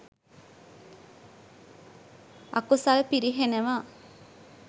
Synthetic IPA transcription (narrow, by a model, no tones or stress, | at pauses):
a̰kusalpiɾiɦeneʋaː